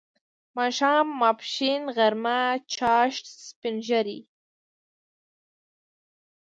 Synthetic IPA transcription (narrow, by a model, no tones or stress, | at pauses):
mɑʃɑːmːapʃinɣaɾmat͡ʃɑʃʈspɪnʒaɾḭ